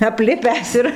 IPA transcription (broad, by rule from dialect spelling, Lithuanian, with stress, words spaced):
ɐpʲˈlʲɪpʲæːs ɪr